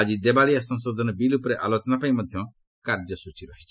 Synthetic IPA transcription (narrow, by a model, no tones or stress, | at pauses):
ad͡ʒid̪ebaɭijasɔ̃nsɔd̪ʱɔnɔbilupɾeʔalot͡ʃɔnapaĩmɔd̪ʱjɔ | kaɾd͡ʒɔsut͡ʃiɾast͡ʃ